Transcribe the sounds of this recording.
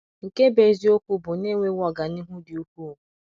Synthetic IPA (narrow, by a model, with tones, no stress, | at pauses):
ŋ̩˨ke˦be˨zi˦o˦kʷu˦bʊ˨ne˦ŋʷe˦wɔ˨ɡa˨ni˦ɦʊ˦dɪ˨u˦kʷu˦˨